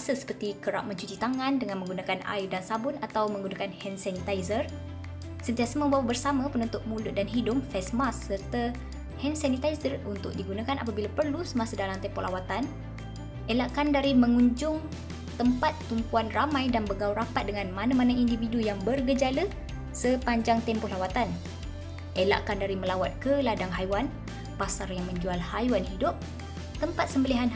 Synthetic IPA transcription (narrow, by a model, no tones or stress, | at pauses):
asəsə̥pərt̪ikəɾa̰ʔ̚mə̃ɲt͡ʃut͡ʃit̪aŋãndəŋanməŋɡunakana̰ɪdansabʊnat̪awməŋɡunakanhɛnsanit̪ajzər | sənt̪iasamə̃mbawabərsamãpənɔnt̪ʊt̪̚mulʊʔ̚danɦidʊmfɛsmasːərt̪ə | hɛnsanit̪aisərunt̪ʊ̰k̚diɡunakanapabilapərlusəmasədalant̪ɛpɔʔlawat̪an | ʔelaʔkandaɾimə̃ŋuɲd͡ʒʊŋ | t̪əmpat̪ːumpuanramãjdanbəɡawɾapat̪̚dəŋanmanamanaindividujaŋbərɡəd͡ʒalə | səpaɲd͡ʒaŋt̪ɛmpɔhlawat̪an | ʔela̰ʔkandaɾiməlawat̪̚kəladaŋɦajwan | pasarjaŋmə̃ɲd͡ʒualhajuanɦidʊp̚ | t̪əmpat̪̚səmbəliɦan